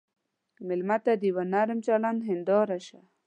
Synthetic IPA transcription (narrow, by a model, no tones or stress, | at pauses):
mɪlmat̪ad̪iwanaɾəmt͡ɕalanɦind̪ɔːɾaɕa